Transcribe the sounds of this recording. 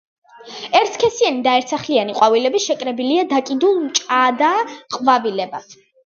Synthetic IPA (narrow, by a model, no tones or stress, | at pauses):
ɛɾt̪ʰkʰɛsianid̪aɛɾt̪sʰaχlianiqʼwavilɛbiʃɛkʼɾɛbiliad̪akʼid̪ulˠmt͡ʃʼad̪aqʼvavilɛbat̪ʰ